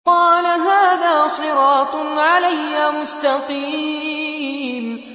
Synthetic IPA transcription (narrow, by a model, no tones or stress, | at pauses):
qɑːlaɦaːðaːsˤɨɾɑːt̪ˤʕalajːaːmʊst̪ɑqiː | m